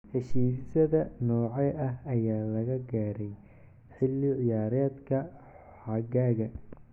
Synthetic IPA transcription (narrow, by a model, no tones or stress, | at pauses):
hɛʃiːsɪsɐðɐnɔːʕɛjʔɐɦɐjaːlɐɣɐɡaːɾɛj | ħɪlːɪʕɪjaːɾɛːd̪kʰɐ | ħɑɡaːɣɐ